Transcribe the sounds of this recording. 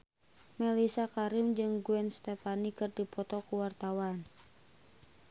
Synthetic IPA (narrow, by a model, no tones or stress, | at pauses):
mɛlisakaɾimd͡ʒɨŋɡuɛnst̪ɛpanikɨrdipɔt̪ɔkuwart̪awan